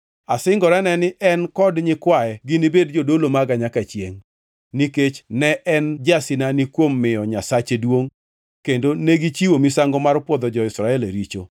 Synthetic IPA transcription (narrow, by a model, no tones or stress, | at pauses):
asɪŋɡɔɾɛnɛnɪʔɛnkɔdɲɪkwaɛɡɪnibedd͡ʒodolomaɡaɲakat͡ʃjeŋ | niket͡ʃnɛʔɛnd͡ʒasɪnanɪkwomːɪjɔɲasat͡ʃedwoŋ | kendoneɡit͡ʃiwomisaŋɡɔmarpwɔd̪ɔd͡ʒɔɪsɾaɛleɾit͡ʃo̰